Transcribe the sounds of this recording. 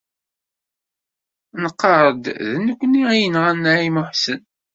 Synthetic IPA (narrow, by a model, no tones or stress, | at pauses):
nəqːɑɾˤəd̪ðnːəkʷːniijənʁænːaimʊħsən